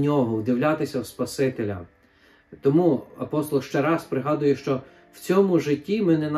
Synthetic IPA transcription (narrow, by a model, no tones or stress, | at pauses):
nʲɔɦɔwd̪ɪwlʲat̪ɪsʲɐwspɐsɪt̪elʲɐ̰ | t̪ɔmuɐpɔst̪ɔlˠʃt͡ʃɛɾɑspɾɪɦɑd̪ʊjɛʃt͡ʃɔ | w̥t͡sʲɔmʊʒɪtʲːimɪnɛn